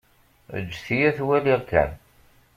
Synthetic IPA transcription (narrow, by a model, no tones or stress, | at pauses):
ə̰d͡ʒːθijæθwæliʁkːæ̰n